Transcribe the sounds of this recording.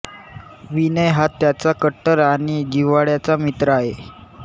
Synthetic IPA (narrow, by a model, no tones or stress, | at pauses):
ʋinəjɦat̪ːjat͡sakəʈːəɾaɽ̃id͡ʑiʋaɭjat͡samit̪ɾəaɦe